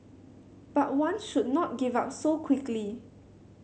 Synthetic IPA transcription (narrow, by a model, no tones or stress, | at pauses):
b̥at̚wãnʃud̚nɔt̚ɡivap̚sokʰw̥ɪkli